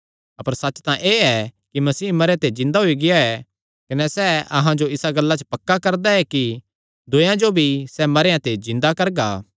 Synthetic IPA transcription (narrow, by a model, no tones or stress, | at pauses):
ɐpəɾsɐt͡ʃːt̪ãʔeːɛkimɐsiːmɐɾeãt̪ed͡ʒɪ̃nd̪aɦoiɡɪjaɦɛ | kɐnɛsɛɐɦãd͡ʒoɪsaɡɐlːat͡ʃə̥pɐkːakɐɾd̪aɦɛki | d̪ʊjãd͡ʒobʱisɛmɐɾejãt̪ed͡ʒɪ̃nd̪akɐɾɡaː